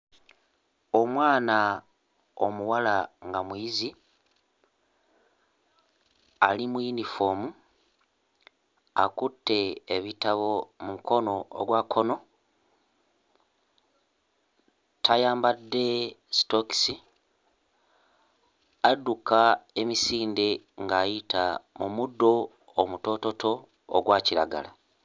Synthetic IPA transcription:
o̞mwaːna | omuwalaŋɡamwiizi | alimwinifo̞ːmu | a̰kutːe̞ːβitaβo̞muuko̞no̞o̰ɡwakʰo̞no̞ | tʰajaːmbadːe̞stoki̥si | adukae̞misiːnde̞ | ŋɡaːjitamumudːo̞ | omuto̞to̞tʰo̞̰ː | ɡwaːciɾa̰ɡa̰la

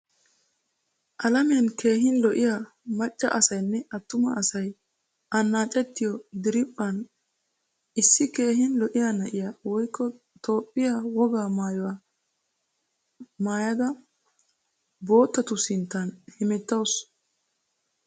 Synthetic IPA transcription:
ʔɐlɐmenke̞ːɦɪnlɔʔɪja | mɐt͡ʃʼːɐ̰ʔɐsɐjnːɛʔɐt̪ːʊmɐ̰ɐsɐj | ʔɐnːaːt͡ʃʼɛt̪ːɪjɔd̪ɪɾɪpʼːɐn | ɪsːɪke̞ːɦɪnlɔʔɪjaːnɐʔɪjawɔjkʰːɔ | t̪o̞ːpʼːɪjawɔɡaːmaːjɔwaː | maːjɐd̪ɐ | bo̞ːt̪ːɐt̪ʊsɪnt̪ːɐnhɛmɛt̪ːɐws

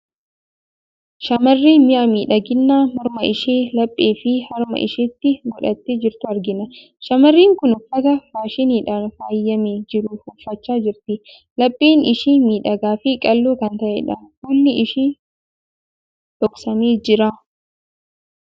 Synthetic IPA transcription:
ʃɐmɐrːiːmɪʔɐmiːᶑɐɡɪnːaːmɔɾmɐɪʃeːlɐpʼːeːfɪhɐɾmɐ̰ʔɪ̰ʃɪt̪ːɪɡɔᶑɐt̪ːed͡ʒɪɾt̪ʊɐɾɡɪnɐ | ʃɐmɐrːiːŋkʊnʊfɐt̪ɐfaːʃɪniːᶑaːnfaːjːɐmeːd͡ʒɪɾʊhʊfːɐt͡ʃːaːd͡ʒɪɾt̪ɪ | lɐpʼːeːnɪʃiːmiːᶑɐɡaːfɪkʼɐlːoːkɐnt̪ɐʔḛᶑɐhulːɪɪʃiː | t̪ɔksɐmeːd͡ʒɪɾaː

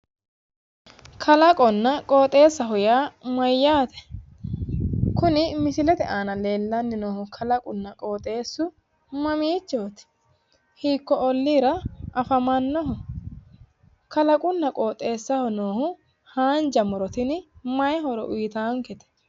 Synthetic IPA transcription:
kʰɐlɐkʼɔnːɐkʼoːt̪ʼe̞ːsːɐɦʊjaːmɐjːaːt̪ɛ̥ | kʊnɪmɪsɪlɛt̪ɛʔaːnɐle̞ːlːɐnːɪnoːhʊkʰɐlɐkʼʊnːɐkʼoːt̪ʼe̞ːsːʊ | mɐmiːt͡ʃːoːt̪ɪ̥ | hiːkːɔɔlːiːɾɐʔɐfɐmɐnːɔɦʊ | kɐlɐkʼʊnːɐkʼoːt̪ʼe̞ːsːɐhɔnoːhʊ | haːnd͡ʒɐmɔɾɔt̪ɪnɪmɐjɛɦɔɾɔʔʊjɪt̪aːŋkɛt̪ɛ̥

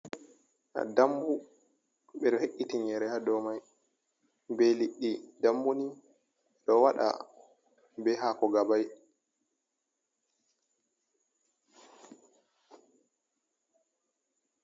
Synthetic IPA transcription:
ʔa̰dambu | ɓɛɗɔheʔːitiɲɛɾɛhadɔmaj | bɛliɗːidambuni | ɗɔwaɗa̰ | bɛɦakɔɡabaj

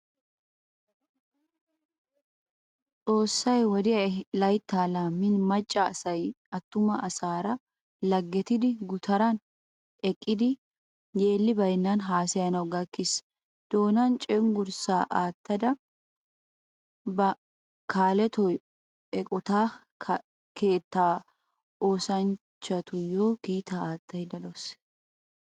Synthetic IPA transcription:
t͡sʼo̞ːsːɐjwɔd̪ɪjɐlɐjt̪ːaːlaːmːɪnmɐt͡ʃʼːɐːsɐj | ɐt̪ːʊmɐʔɐsaːɾɐ | lɐɡːɛt̪ɪd̪ɪɡʊt̪ʰɐɾɐn | ɛkʼːɪd̪ɪ | je̞ːlːɪbɐjnːɐnɦaːsɐjɐnɐwɡɐkːɪs | d̪̥o̞ːnɐnt͡ʃʼɛŋɡʊɾsaːʔaːt̪ːɐd̪ɐ | bɐ | kʰaːlɛt̪ɔ | ɛkʼɔt̪aː | ke̞ːt̪ːaː | oːsɐn | t͡ʃːɐt̪ʊjo̞ːɡiːt̪aaːt̪ːɐjd̪ɐlos

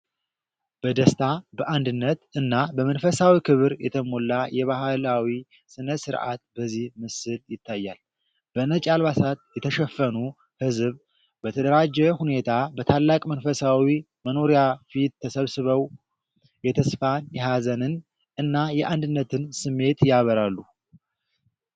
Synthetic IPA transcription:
b̥əd̪əst̪ʰabəʔand̪ɨnːət̪ɨnːabəmənfəsawikʰɨβɨɾjɛt̪ʰəmolːajʔɛβahɨlawi | sɨnəsɨɾʔa̰t̪bəzːihmɨsɨljɪt̪ʰːajːal | b̥ənət͡ʃʼalβasat̪jɛt̪ʰəʃɛfːənu | hɨzβ | bət̪ʰəd̪əɾad͡ʒːɛhune̞t̪ʰabət̪ʰalːakʼmənfəsawi | məno̞ɾijafit̪t̪ʰːəsəβsɨβəw | jɛt̪ʰəsfanjɛɦazənɨn | ʔɨnːajɛʔand̪ɨnːət̪ʰɨnsɨmːe̞t̪jaβəɾalːu

